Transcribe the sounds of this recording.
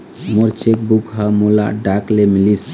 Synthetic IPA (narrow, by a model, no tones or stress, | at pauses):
moɾt͡ʃek̚bukɦəmola̰ɖaklemilis